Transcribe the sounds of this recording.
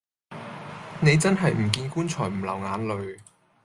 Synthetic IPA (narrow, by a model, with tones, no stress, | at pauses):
ne˨˧jt͡sɐ˥nɦɐ˨jm̩˨˩k̬iː˧nkuː˥nt͡ʃʰɔː˨˩jm̩˨˩lɐ˨˩wŋaː˨˧nlɵ˨˧ɥ